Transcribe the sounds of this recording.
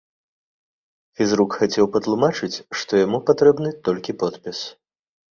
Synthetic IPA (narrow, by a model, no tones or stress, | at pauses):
fʲizrukxat͡sʲɛwpɐt̪lˠumat͡ʂɨt͡sʲʂt̪ɔjamupat̪ɾɛbnɨt̪ɔlʲkʲipɔt̪pʲis